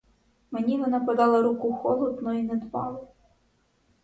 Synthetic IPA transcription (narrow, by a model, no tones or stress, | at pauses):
manʲinɐnɐpad̪alˠɐɾukuxɔlˠɔt̪nɔinɛd̪pɑ̰lˠɐ